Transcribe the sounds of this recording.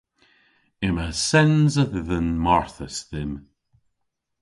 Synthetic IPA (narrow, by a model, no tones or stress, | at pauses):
ɪməsɛnzəððənmɔɹθəsðɪm